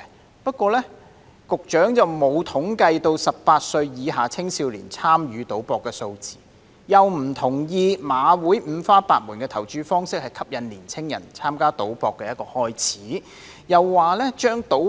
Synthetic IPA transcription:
pɐ˥t̚kʷɔː˧lɛː˥ | kʊ˨k̚t͡ʃœː˨˥ŋt͡sɐ˨wmo˨˧wt̪ʰʊ˨˥ŋkɐ˧jt̪o˧wsɐ˨p̚paː˧t̚sɵ˧ɥjiː˨˧ɦaː˨˩t͡sʰɪ˥ŋsiː˧wlḭː˨˩nt͡sʰaː˥mjyː˨˥t̪o˨˥wpɔː˨˧kːɛː˧so˧wt͡siː˨ | jɐ˨wm̩˨˩t̪ʰʊ˨˩ŋjiː˧maː˨˧wuː˨˥jm̩ː˨˧faː˥paː˧t̚muː˨˩nkɛː˧t̪ʰɐ˨˩wt͡ʃyː˧fɔː˥ŋsɪ˥k̚hɐ˨jkʰɐ˥p̚jɐ˨nliː˨˩nt͡sʰɪ˥ŋjɐ̰˨˩nt͡sʰaː˥mkaː˥t̪o˨˥wpɔː˧kːɛː˧jɐ˥t̚kɔː˧hɔː˥jt͡sʰiː˨˥ | jɐ˨wːaː˨˩lɛ˥t͡ʃœː˥ŋt̪o˨˥

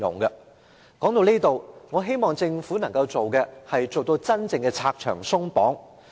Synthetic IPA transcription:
ʊ̰˨˩ŋkɐ˧ | kɔː˨˥ŋt̪o˧niː˥t̪o˨˧wŋɔː˨˧ɦe˥jmɔː˨ŋt͡sɪ˧ŋfuː˨˥nɐ˨˩ŋkɐ˧wt͡so˨wkɛ˧hɐ˨jt͡so˨wt̪o˧wt͡sɐ˥nt͡sɪ˧ŋkɛ˧t͡sʰaː˧k̚t͡ʃʰœː˨˩ŋsʊ˥ŋpɔ̰ː˨˥ŋ

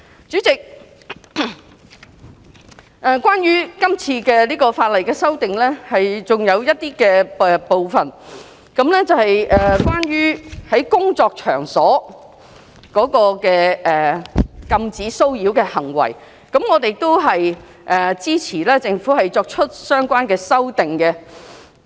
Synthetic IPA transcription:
t͡st͡ʃyː˨˥t͡sɪ˨k̚ | ʔɛː˨kwaː˥njyː˥kɐ˥mt͡sʰiː˧kɛ˧liː˥kɔː˧faː˧t̚lɐ˨˩jkɛː˧sɐ˥wt̪ɪ˨ŋlɛː˥hɐ˨jt͡sʊ˨ŋjɐ˨˧wjɐ˥t̚t̪iː˥kɛː˧ɛ˨po˨wfɐ˨˩n | kɐ˨˥mlɛː˥t͡sɐ˨˧whɐ˨jʔɛː˨kwaː˥njyː˥hɐ˨˥jkʊ˥ŋt͡sɔː˧k̚t͡ʃʰœ̰ː˨˩ŋsɔː˨˥ | kɔː˨˥kɔː˧kɛː˧ɛː˨kɐ˧mt͡siː˨˥so˥wjiː˨˥wkɛː˧hɐ˨˩ŋwɐ̰˨˩j | kɐ˨˥mŋɔː˨˧t̪e˨jt̪o˥wɦɐ˨j | ʔɛː˨˩t͡siː˥t͡sʰiː˨˩lɛː˥t͡sɪ˧ŋfuː˨˥hɐ˨jt͡sɔː˧k̚t͡ʃʰɵ˥t̚sœː˥ŋkʷaː˥nkɛː˧sɐ˥wt̪ɪ˨ŋkɛ˧

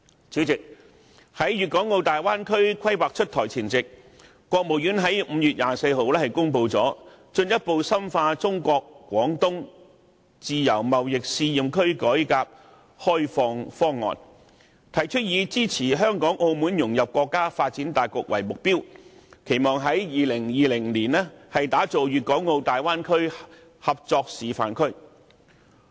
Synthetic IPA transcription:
si˨˥wt͡sɪ˨k̚ | hɐ˨˥jɥyː˨t̚kɔː˨˥ŋːo˧wt̪aː˨jwaː˥nkʰɵ˥ɥkʷʰɐ˥jwaː˨k̚t͡ʃʰɵ˥t̚t̪ʰɔː˨˩jt͡sʰiː˨˩nt͡sɪ˨k̚ | kːʷɔː˧k̚mo˨˩wjyː˨˥nɦɐ˨˥jm̩ː˨˧jyː˨t̚jaː˨se˧jɦo˨wlɛː˥hɐ˨˩jkʊ˥ŋp̬o˧wt͡sɔː˨˥ | t͡ʃɵ˧njɐ˥t̚po˧wsɐ˥mfaː˧t͡sʊ˥ŋkʷɔː˧k̚kːʷɔː˨˥ŋt̪ʊ˥ŋ | t͡siː˨˧jɐ˨˩wmɐ˨wjɪ˨k̚siː˧jiː˨mkʰɵ˥ɥkɔː˨˥jkaː˧p̚ | hɔː˥jfɔː˧ŋfɔː˥ŋːɔ̰ː˨n | t̪ʰɐ˨˩jt͡ʃʰɵ˥t̚jiː˨˧t͡siː˥t͡sʰiː˨˩ɦœː˥ŋkɔː˨˥ŋʔo˧wmuː˨˥njʊ˨˩ŋjɐ˨p̚kʷɔː˧kːaː˥faː˧t̚t͡siː˨˥nt̪aː˨jkɔ̰ː˧k̚wɐ̰˨˩jmʊ˨k̚piː˥wkʰe˨˩jmɔː˨ŋɦɐ˨˥jjiː˨lɪ˨˩ŋjiː˨lɪ˨˩ŋliː˨˩nlɛː˥hɐ˨jt̪aː˨˥t͡so˨wjyː˨t̚kɔː˨˥ŋːo˧wt̪aː˨jwaː˥nkʰɵ˥ɥ | hɐ˨p̚t͡sɔː˧k̚siː˨fa̰ː˨nkʰɵ˥ɥ

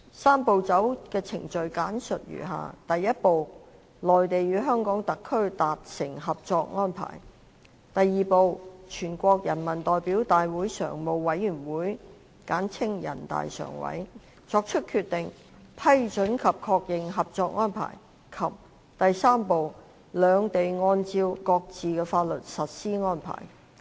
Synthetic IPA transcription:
saː˥mpo˨˧wt͡sɐ˨˥wkɛː˧t͡sʰɪ̰˨˩ŋt͡ʃɵ˨ɥkaː˨˥nsɵ˨t̚jy̰ː˨˩ɦa̰ː˨˧t̪ɐ˨jːɐ˥t̚po˨w | lɔː˨jt̪e˨jyː˨˧ɦœː˥ŋkɔː˨˥ŋt̪ɐ˨kʰːɵ˥ɥt̪aː˨t̚sɪ˨˩ŋɦɐ˨p̚t͡sɔː˧k̚ŋɔː˥npʰa̰ː˨˩j | t̪ɐ˨jːiː˨po˧wt͡ʃʰyː˨˩nkʷɔː˧k̚jɐ˨˩nmɐ˨˩nt̪ɔː˨jpiː˨˥wt̪aː˨jwuː˨˥jsœ̰ː˨˩ŋmo˨wwɐ˨˥jːyː˨˩nwuː˨˥j | kaː˨˥nt͡sʰɪ˥ŋjɐ̰˨˩nt̪a̰ː˨jsœ̰ː˨˩ŋwɐ̰˨˥j | t͡sɔː˧k̚t͡ʃʰɵ˥t̚kʰyː˧t̚t̪ɪ˨ŋ | pʰɐ˥jt͡ʃɵ˨˥nkʰɐ˨p̚kʰɔː˧k̚jɪ˨ŋɦɐ˨p̚t͡sɔː˧k̚ŋɔː˥npʰa̰ː˨˩j | kʰɐ˨p̚ | t̪ɐ˨jsaː˥mpo˨w | lœː˨˧ŋt̪e˨jŋɔː˧nt͡siː˧wkɔː˧k̚t͡siː˨kɛː˧faː˧t̚lɵ˨t̚sɐ˨t̚siː˥ŋɔː˥npʰa̰ː˨˩j

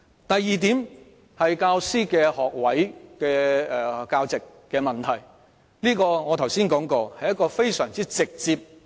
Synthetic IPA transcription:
t̪ɐ˨jːiː˨t̪iː˨˥m | hɐ˨jkaː˧wsiː˥kɛː˧hɔː˨k̚wɐ˨˥jkɛː˧ɛː˨kaː˧wt͡sɪ˨kːɛː˧mɐ˨nt̪ʰɐ˨˩j | liː˥kɔː˧ŋɔː˨˧t̪ʰɐ˨˩wsiː˥nkɔː˨˥ŋkɔː˧hɐ˨jːɐ˥t̚kɔː˧fe˥jsœː˨˩ŋt͡siː˥t͡sɪ˨k̚t͡siː˧p̚

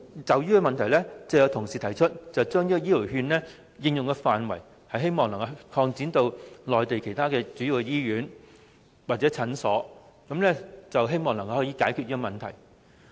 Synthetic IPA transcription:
t͡sɐ˨wjyː˥kɛ˧mɐ˨nt̪ʰɐ˨˩jlɛː˥t͡sɐ˨wjɐ˨˧wt̪ʰʊ˨˩ŋsiː˨t̪ʰɐ˨˩jt͡ʃʰɵ˥t̚t͡sɐ˨wt͡ʃœː˥ŋniː˥kɔ˧jiː˥li˨˩wɦyː˧nlɛː˥ | jɪ˨˧ŋjʊ˨ŋkɛː˧faː˨nwɐ˨˩j | hɐ˨jɦe˥jmɔː˨ŋlɐ˨˩ŋkɐ˧kʰɔː˧ŋt͡siː˨˥nt̪o˧wlɔː˨jt̪e˨jkʰe˨˩jt̪ʰaː˥kɛː˧t͡syː˨˥ji˨wkɛ˧jiː˥ɥyː˨˥n | waː˨t̚t͡sɛ˨˥t͡sʰɐ˨˥nsɔː˨˥kɐ˨˥mlɛː˥t͡sɐ˨wɦe˥jmɔː˨ŋlɐ˨˩ŋkʰɐ˧whɔː˨˥jiː˧kaː˨˥jkʰy˧t̚liː˥kɔ˧mɐ˨nt̪ʰɐ̰˨˩j

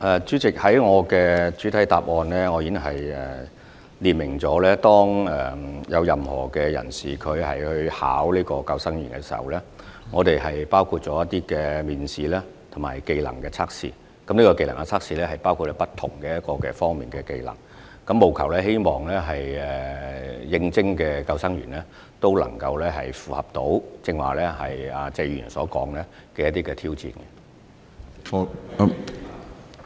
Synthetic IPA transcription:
ʔɛ˨t͡syː˨˥t͡sɪ˨k̚hɐ˨˥jŋɔː˨˧kɛː˧t͡ʃyː˨˥t̪ʰɐ˨˥jt̪aː˨p̚ʔɔː˧nlɛː˥ŋɔː˨˧ji˨˧˥ŋɦɐ˨jɛ˨ | liː˨˩nmɪ˨˩ŋt͡sɔː˨˥lɛː˥t̪ɔː˥ŋɛ˨˩jɐ˨˧wjɐ˨mhɔ̰ː˨˩kɛ˧jɐ̰˨˩nsiː˨kʰɵ˨˧ɥhɐ̰˨jhɵ˧ɥha̰ː˨˥wliː˥kɔː˧kɐ˧wsɐ˥ŋjyː˨˩nkɛ˧siː˨ɐ̰˨wlɛː˥ŋɔː˨˧t̪e˨jɦɐ˨jpaː˥wkʰuː˧t̚t͡ʃɔː˨˥jɐ˥t̪ːiː˥kɛː˧miː˨nsiː˨lɛː˥ | t̪ʰʊ˨˩maː˨˩jke˧jlɐ̰˨˩ŋkɛː˧t͡sʰaː˥k̚sḭː˧ | kɐ˨˥mniː˥kɔ˧ke˧jlɐ˨˩ŋa˧t͡sʰaː˥k̚siː˧lɛː˥ɦɐ˨jpaː˥wkʰu˧t̚lɛ˥pɐ˥t̪ʰʊ˨˩ŋkɛ˧jɐ˥t̚kɔː˧kɛ̰ː˧fɔː˥ŋmiː˨nkɛː˧ke˧jlɐ̰˨˩ŋ | kɐ˨˥mːo˨wkʰɐ˨˩wlɛː˥he˥jmɔː˨˩ŋlɛː˥ɦɐ˨jɛ˨jɪ˧ŋt͡sɪ˥ŋkɛː˧kɐ˧wsɐ˥ŋɥy̰ː˨˩nlɛː˥ | t̪o˥wlɐ̰˨˩ŋkɐ˧wlɛː˥ɦɐ˨˩jfuː˨˩hɐ˨p̚t̪o˨˥wt͡sɪ˧ŋwaː˨˩lɛː˥ɦɐ˨jɐː˨˩t͡sɛ˥jy˨˩˨nsɔ̰ː˨˥kɔː˨˥ŋlɛː˥ | kɛː˧jɐ˥t̪iː˥kɛ˧t̪ʰiː˥wt͡sḭː˧˩nkɛ˧

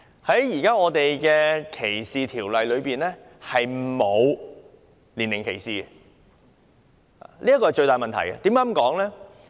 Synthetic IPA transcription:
hɐ˨˥jjiː˨˩kaː˥ŋɔː˨˧t̪e˨jkɛː˧kʰe˨˩jsiː˨t̪ʰiː˨˩wlɐ˨jlɵ˨˧ɥpiː˨nlɛː˥ | hɐ˨jmo˨˧w | liː˨˩nɪ˨˩ŋkʰe˨˩jsiː˨ɛ˧ | a̰˨liː˥ɐ˥kɔː˧˨jt͡ʃɵ˧ɥt̪aː˨˩jmɐ˨nt̪ʰɐ̰˨˩jɡɐ̰˧t̪iː˨˥maː˦˥mkɔː˨˥ŋlɛː˥

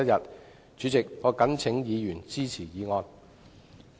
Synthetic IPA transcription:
ɐ˥jɐ˨t̚ | t͡ʃyː˨˧t͡sɪ˨k̚ŋɔː˨˧kɐ˨˥nt͡sʰɪ˨˥ŋjiː˨˧jyː˨˩nt͡siː˥t͡sʰiː˨˩jiː˨˧ŋɔː˧n

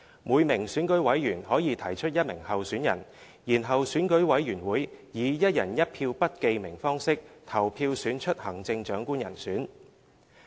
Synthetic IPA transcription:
muː˨˧jmɪ˨˩ŋsyː˨˥nkɵ˨˥ɥwɐ˨˥jɥyː˨˩nhɔː˨˥jiː˨˧t̪ʰɐ˨˩jt͡ʃʰɵ˥t̚jɐ˥t̚mɪ˨˩ŋhɐ˨wsyː˨˥njɐ̰˨˩n | jiː˨˩nɦɐ˨wsyː˨˥nkɵ˨˥ɥwɐ˨˥jɥyː˨˩nwuː˨˥jjiː˨˧jɐ˥t̚jɐ˨˩njɐ˥t̚pʰiː˧wpɐ˥t̚ke˧jmɪ˨˩ŋfɔː˥ŋsɪ˥k̚t̪ʰɐ˨˩wpʰiː˧wsyː˨˥nt͡ʃʰɵ˥t̚hɐ˨˩ŋt͡sɪ˧ŋt͡ʃœː˨˥ŋkuː˥njɐ̰˨˩nsyː˨˥n

